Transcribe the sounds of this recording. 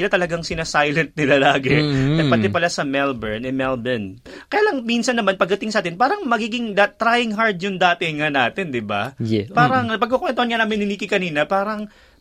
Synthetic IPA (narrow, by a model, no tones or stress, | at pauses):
ɪlat̪ɐlɐɡaŋsɪnasajlɛnt̪̚nɪlalaːɡɛnɐpɐt̪ɛpɐlasɐmɛlbɛɹnʔɪmɛlbɛn | kɐjaːlɐŋmiːnsɐnːɐmanpɐɡ̚d̪ɐt̪ɪŋsɐaːt̪ɪnpaːɾɐŋmɐɡiːɡɪŋd̪at̪ːɾajɪŋɦaɹd̪̚jʊnd̪aːt̪ɪŋanaːt̪ɛnd̪ɪba̰paːɾɐŋpɐɡ̚kokwɛnt̪ohɐnŋanaːmɪnhɪniːkɪkɐniːnɐpaːɾɐŋ